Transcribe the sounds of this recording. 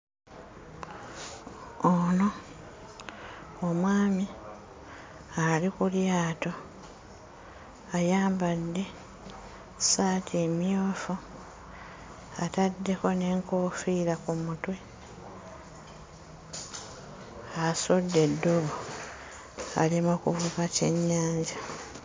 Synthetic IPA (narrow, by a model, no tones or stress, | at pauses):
ono̞ | omwaːmi | alikuljaːto̞ | ajaːmbadːe̞ | saːtʰimjoːfu | atadːe̞ko̞ne̞ːŋko̞ːfiːɾakumutwe | asodːe̞dːo̞βo | a̰limokuvukace̞ɲːaːɲɟa